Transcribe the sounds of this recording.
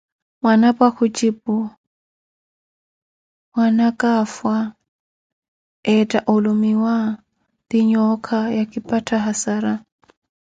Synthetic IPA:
mwanapʼwakʰut͡ʃʼipʊ | wanakʼafwa | ɛtʼaʔɔlumiwa | d̪iɲɔkʰajakʼipʼatʰaɦasaɾa

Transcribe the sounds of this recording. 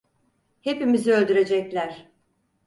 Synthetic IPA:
he̞pimiziølʲd̪yɾe̞d͡ʒɛclʲæɾ̥

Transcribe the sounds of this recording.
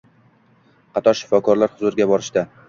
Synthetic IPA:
qʰɑt̪ʰɒɾʃɪ̥fɒkʰɒɾlaɾhʊzʊɾɪɡʲabɒɾɪʃd̪a

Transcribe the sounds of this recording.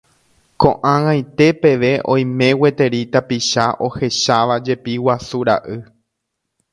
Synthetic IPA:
kõ̞ʔãwãjt̪e̞pe̞ʋe̞ʔõ̞j̃mẽ̞we̞t̪e̞ɾit̪apiʃaʔo̞he̞ʃaʋad͡ʒe̞piwasuɾa̰ʔɨ

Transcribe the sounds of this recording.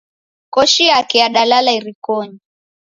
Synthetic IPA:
kɔʃijakɛjaɗalalaiɾikɔɲi

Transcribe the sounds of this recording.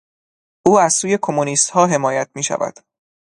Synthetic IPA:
ʔuːæz̥suːje̞kʰo̞muniːst̪hɒːɦe̞mɒːjæt̪̚ʰmiːʃæ̰væ̰d̪̥

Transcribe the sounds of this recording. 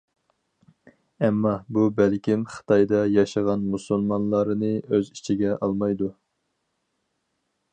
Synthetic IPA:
ɛmːɑbubælkʲimχə̥t̪ʰɑjd̪ɑjɑʃəʁɑnmusulˠmɑnlˠɑɾɨnɨøzit͡ʃʰiɡʲɛʔɑlˠmɑjd̪u

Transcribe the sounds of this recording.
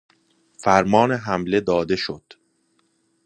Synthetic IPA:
fæɾmɒːneɦæmle̞d̪ɒːd̪e̞ʃod̪̥

